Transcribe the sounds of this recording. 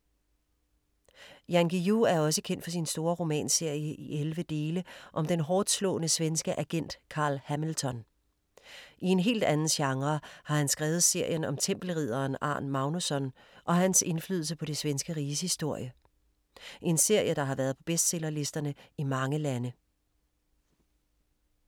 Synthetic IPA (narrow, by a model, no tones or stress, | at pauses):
jænɡ̥ijuæɐɒ̽səkʰen̰d̥fɒs̬insd̥o̝ːɐʁo̝mɛ̰ːnse̝ɐ̰jəʔiʔelʋəd̥e̝ːləʔɒ̽md̥enɦɒːd̥slɔ̰̽ːnəsʋensɡ̥əʔæɡ̥en̰d̥kʰɑ̈ːlhæml̩t͡sʰɒ̽n | ʔie̝nɦe̝̰ːld̥ænn̩ɕɑ̈ŋʁɐhɑ̈hænsɡ̥ʁɛːʊð̞̩ˠse̝ɐ̰jənɒ̽mt͡sʰem̰b̥l̩ʁið̞̰ˠɐːnɑ̰̈ːnmɑ̈ʊnusɒ̽n | ʔɒ̽ɦænse̝nfly̰ðˠl̩səpʰɒ̽ɾ̥e̝sʋensɡ̥əʁiːshisd̥o̝ɐ̰jə | ʔe̝nse̝ɐ̰jəd̥ɑ̈ɦɑ̈ʋæːɐð̞̩ˠpʰɒ̽b̥esd̥selɐle̝sd̥ɐnəimɑ̈ŋəlænə